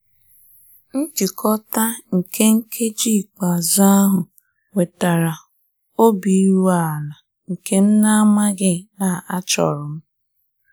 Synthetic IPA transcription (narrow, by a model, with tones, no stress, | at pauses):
n̩˦d͡ʒi˨kʰɔ˦ta˦ŋ̩˨ke˦ŋ̩˦kʰe˦d͡ʒi˦˨k͡pa˨za˦a˦ɦʊ˨ | we˨ta˨ɾa˨ | o˦bi˨˦ɾu˦a˨la˨ | ŋ̩˨ke˦m̩˦na˦a˦ma˦ɡɪ˦na˨a˦t͡ʃɔ̰˨ɾʊ˨m̩˦